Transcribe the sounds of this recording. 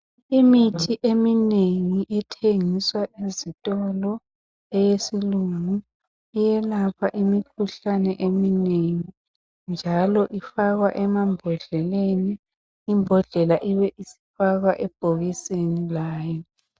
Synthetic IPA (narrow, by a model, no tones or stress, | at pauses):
imitʰiʔemineŋiʔɛtʰeŋiswaʔizitʼɔlɔ | ɛjesiluŋu | ijɛlapʰaʔimikʰuɬanɛʔemineŋi | nd͡ʒʱalɔʔifaɣwaʔɛmambʱɔɮɛleniː | mbʱɔɮɛlaʔiβɛʔisi̥faɣwaʔɛb̥ʱoɣisenilaːjɔ